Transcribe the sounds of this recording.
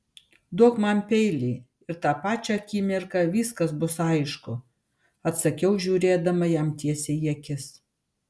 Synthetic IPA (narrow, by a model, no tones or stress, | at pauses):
d̪uɔkmɐnpʲɛɪlʲiː | ɪɾt̪ɑːpɑːt͡ʃʲɛɐkʲiːmʲɪɾkɐʋʲiːskɐsbʊsɐɪʃkʊ | ɐt̪sɐkʲɛʊʒʲuːɾʲeːd̪ɐmɐjɛːmt̪ʲiɛsʲɛjiɛkʲɪs